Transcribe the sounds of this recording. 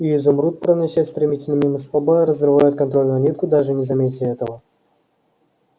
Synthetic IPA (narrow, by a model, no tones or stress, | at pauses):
iizʊmɾut̪̚pɾənʲaɕʲat̪ʲst̪ɾʲɪmʲitʲɪlʲnəmʲimɨslˠabaɾəzrɨvajʊt̪̚kɐnt̪ɾolʲnanʲit̪̚kʊd̪aʐɨnʲɪzɐmʲetʲɪɛt̪əvə